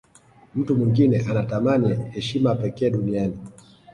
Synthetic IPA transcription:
m̩tumwiŋɡinɛʔanatamanihɛʃimapɛkɛːɗuniani

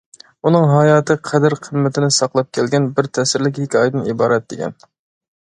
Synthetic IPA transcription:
unɨŋɦɑjɑːt̪ʰɨqʰɛd̪ɪɾqʰəmːɪt̪ʰɪnɪsɑqlˠɑp̚kʲʰɛlɡʲɛnbɪɾt̪ʰɛsɪɾlɪk̬ʲikʲɑjd̪ɨnibɑːɾɛt̪̚d̪ekʲɛ̰n

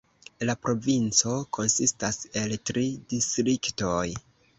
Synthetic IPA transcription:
lapɾo̞vint͡so̞kʰo̞nsistase̞ltɾidistɾikto̞j

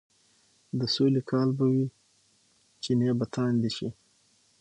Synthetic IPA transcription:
d̪əsolikʰɑːlbawi | t͡ʃenebat̪ʰɑːnd̪iʃi

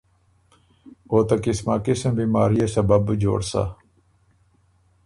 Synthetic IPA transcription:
oːt̪ɐkismaːkismbiːmaːɾijasɐbɐbd͡ʑo̰ːɽsa̰

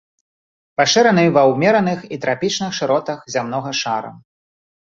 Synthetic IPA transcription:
paʂɛɾɐnɨvɐwmʲɛɾɐnɨxit̪ɾapʲit͡ʂnɨxʂɨɾɔt̪ɐxzʲamn̪ɔɣɐʂaɾɐ̰

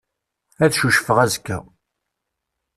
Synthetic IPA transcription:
æðʃuʃfəʁæzkːæ̰

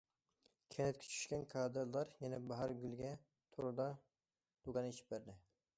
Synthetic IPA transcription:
kʲʰɛnɛt̪̚kʲɛ̥t͡ʃʰy̥ʃkʲɛnkʰɑːd̪ɨɾlˠɑɾjɛnɛbɑɦɑɾɡʲylɡʲɛ | t̪ʰoɾɨd̪ɑ | d̪̥uɡɑneʃi̥p̚bæɾd̪ɪ

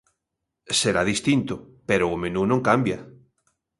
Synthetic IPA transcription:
seɾaðist̪int̪o | peɾoːmẽnunõŋkambja

